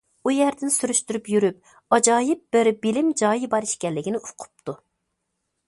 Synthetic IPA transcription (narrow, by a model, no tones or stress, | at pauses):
ujɛɾd̪ɪnsyɾyʃt̪yɾypjyɾyp̚ | ɑd͡ʒɑːjɪp̚b̥ɪɾbilɪmd͡ʒɑːjibɑɾiʃkʲɛlːɪkʲɪnɪʔʊqʰʊ̥p̚t̪ʰu